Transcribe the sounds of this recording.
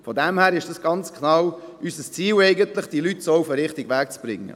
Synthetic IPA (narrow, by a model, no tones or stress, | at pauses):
fɔdɛmhæːɾɪʃd̥ɑsɡ̥ɑnt͡skʰnɑwysəst͡siːlɛɪɡəntlɪχd̥ilytsɔʊfəɾɪχtɪɡʋæːk̚t͡sb̥ɾɪ̰ŋːə̰